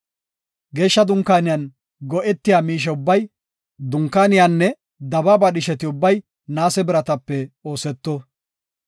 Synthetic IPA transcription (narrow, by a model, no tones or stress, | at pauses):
ɡe̞ːʃːɐd̪ʊŋkːaːnɪjɐn | ɡɔʔɛt̪ːɪjaːmiːʃ̬ɛʊbːɐj | d̪ʊŋkːaːnɪjanːɛ | d̪ɐbɐbɐɗɪʃɛt̪ɪʊbːɐj | naːsɛbɪɾɐt̪ɐpːɛo̞ːsɛt̪ːɔ